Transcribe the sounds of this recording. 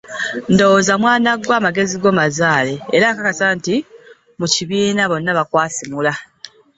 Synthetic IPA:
ndo̞wozamwaːnaɡwaːmaɡe̞ziɡo̞ːmazaːle̞ːɾaŋkakasanti | muciβiːnaβo̞nːaβakwaːsimula

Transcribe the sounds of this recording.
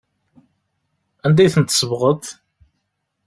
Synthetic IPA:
ænd̪æjθənt̪ːsəvʁət̪

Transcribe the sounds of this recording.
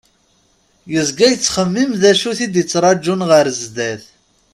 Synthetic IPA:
jəzɡæjət͡sːχəmːimðæʃuθid̪jət͡sːɾˤɑd͡ʒːunʁəɾzd̪æθ

